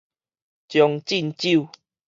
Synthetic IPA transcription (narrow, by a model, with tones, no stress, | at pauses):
t͡ɕjɔ˨˧ŋt͡ɕi˥˧nt͡ɕi˥˨